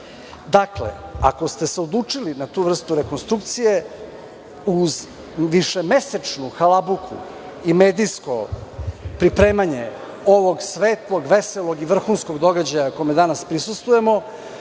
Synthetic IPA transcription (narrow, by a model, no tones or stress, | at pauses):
d̪aklḛa̰ko̞st̪e̞seod̪lˠut͡ʂilinat̪uːvr̩st̪uɾeko̞nst̪ɾukt̪sije̞ | uz | ʋiʂeme̞set͡ʂnuxalabukʰṵ | imeːd̪ijsko̞̰ | pɾipɾe̞ːmaɲe̞ | o̞ʋo̞ɡsʋeːt̪lˠoɡʋeseloɡiʋr̩xuːnsko̞ɡd̪o̞ɡad͡ʑajakojmed̪anaspɾisust̪vuje̞mo̞